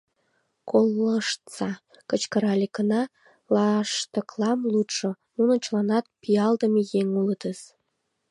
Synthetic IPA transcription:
kolːəʃt̪t͡sɑ | kət͡ɕkəɾɑlʲekənɑ | lɑʃt̪ə̆klɑmlut̪ʃo | nunə̆t͡ɕlɑnɑt̪̚piɑld̪əmejeŋuləd̪əz

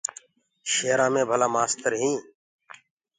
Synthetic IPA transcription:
ʃeːɾãːmẽːbʱəlaːmaːst̪əɾɦĩː

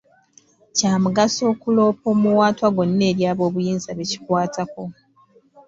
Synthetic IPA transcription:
caːmuɡaso̞ːkulo̞ːpo̞ːmuwaːtwaɡonːe̞ːɾjaːβo̞ːβujiːnzaβeci̥kwaːtʰako̞

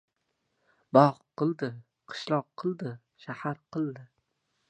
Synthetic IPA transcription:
bɒʁʰ | ɨlˠd̪ɪ | qʰɨ̥ʃlˠɒqʰːɨlˠd̪ɪ | ʃahaɾqʰɨlˠd̪ɪ

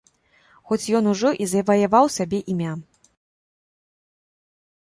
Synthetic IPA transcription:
xɔt͡sʲjɔnuʐɔʔizɐvɐjavawsabʲɛʔimʲa

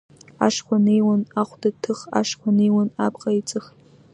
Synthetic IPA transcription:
a̰ʂχʷanejwanaχʷdatʰɨχa̰ʂkʷʰanejwana̰pʼqʼait͡sʼɨχ

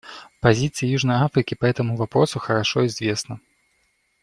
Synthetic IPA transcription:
pazʲit̪sɨjɐjuʐnɐjafɾɨkʲipaɦɛt̪ɐmuvapɾɔsuxɐɾaʂɔizʲvʲɛsnɐ

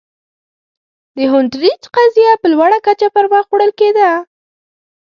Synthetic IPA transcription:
d̪əɦʊnʈɾit͡ʃqazjapəlwaɽakat͡ʃapaɾwaxoɽəlked̪a

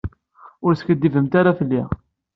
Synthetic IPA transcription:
ʊɾskəd̪ːivəmt̪aɾafəlːiʁ

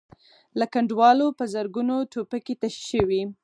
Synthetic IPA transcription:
lakaɳɖwɑlopəzəɾɡunotopaket̪aʃʃəwi

